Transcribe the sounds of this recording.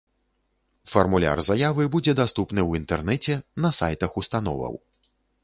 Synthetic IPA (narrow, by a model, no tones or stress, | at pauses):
fɐrmulʲa̰rzajavɨbud͡zʲɛd̪ast̪upnɨwint̪ɛrnɛt͡sʲɛnɐsajt̪ɐxust̪an̪ɔ̰vɐ̰w